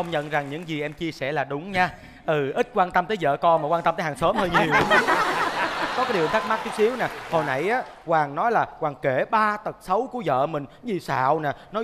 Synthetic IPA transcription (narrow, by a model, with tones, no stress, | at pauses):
xə˧wŋ͡mɲə̰˧˨nza˨˩ŋɲɨ̰˧˥ŋzi˨˩ʔɛ˧mt͡ɕi˧əsɛ˧˩laː˨˩ɗʊ˨˦ŋ͡mɲaː˧ | ʔɨ˨˩ʔï˦˥t̚kwaː˧nt̪ə˧mt̪əː˨˦jzə̰ː˧˨kɔ˧maː˨˩kwaː˧t̪ə˧mt̪ːhaː˨˩ŋsəː˨˦mhəː˧jɲi˨˩˨əw | kɔ˨˦kaː˨˦jɗi˨˩əwt̪a˦˥ma˦˥t̚t͡ɕi˨˦˥si˨˦əwnaː˨˩ho˧jna̰˧˩jʔaː˨˦kwaː˨˩ŋnɔ˨˦jlaː˨˩kwaː˨˩ŋke˧˩ɓaː˧t̪ə˨˩t̚sə˨˦wku˧˩əzə̰ː˧˨mï˨˩ŋ̟zi˨˩sa̰ː˧˨wna˨˩nɔ˨˦